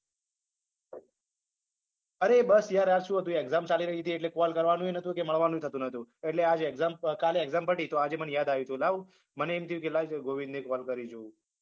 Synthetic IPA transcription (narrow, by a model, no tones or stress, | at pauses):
əɾebəsjaɾjaɾʃũɦət̪ũeeɡzamt͡ʃaliɾəɦit̪ʰieʈlekɔlkəɾʋanũenət̪ʰukeməɭʋanũt̪ʰət̪ũnət̪ʰũeʈlead͡ʒeːɡzamkaleeɡzampəʈit̪oad͡ʒemənjad̪aʋjũt̪ʰũlaʋũ | məneemt̪ʰiukelad͡ʒɡoʋĩnd̪ekɔlkəɾid͡ʒoũ